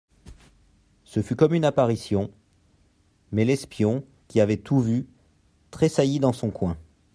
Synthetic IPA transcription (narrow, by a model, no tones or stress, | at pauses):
səfykɔmynapaʁisjɔ̃ | mɛlɛspjɔ̃ | kʲiavɛt̪uvy | t̪χesajid̪ɑ̃sɔ̃kwɛ̃